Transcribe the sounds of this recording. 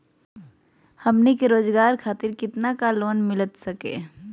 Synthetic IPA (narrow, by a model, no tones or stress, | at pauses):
hɐmnekeɾoːd͡ʒɡaːɾkʰaːt̪ɪɾkɪt̪nakaloːnmɪlət̪sɐkḛː